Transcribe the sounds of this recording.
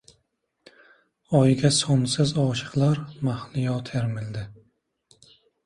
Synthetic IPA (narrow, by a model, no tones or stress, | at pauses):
ɒjɡʲasɒnsɪzɒʃɨ̥qlˠaɾmahlɪjɒt̪ʰeɾmɪld̪ɪ